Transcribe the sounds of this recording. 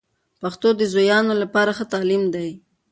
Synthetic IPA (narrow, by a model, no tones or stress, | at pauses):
paxt̪od̪əzojɑnolapɑɾaxət̪ɑlimd̪aj